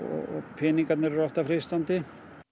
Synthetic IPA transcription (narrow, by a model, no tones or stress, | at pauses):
ɔ̰ɔ̰pʰɪːniŋkat̪nɪɾrɔht̪afɾɪst̪ant̪ɪ